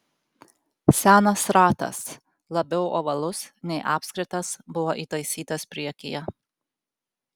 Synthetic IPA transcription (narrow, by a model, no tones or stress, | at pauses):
sʲæːnɐsɾɑːt̪ɐ̰s | lˠɐbʲɛʊʔo̰ːʋɐlˠʊsnʲɛɪʔɑːpʲsʲkʲɾʲɪt̪ɐsbʊʋoʔiːt̪ɐɪsʲiːt̪ɐspʲɾʲiɛkʲɪ̰jɛ